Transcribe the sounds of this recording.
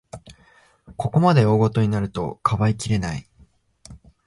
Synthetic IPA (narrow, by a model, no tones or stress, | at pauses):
ko̞ko̞mad̪e̞o̞ːɡo̞t̪o̞ɲ̟inaɾɯ̟t̪o̞kʰaβaikʲiɾe̞nai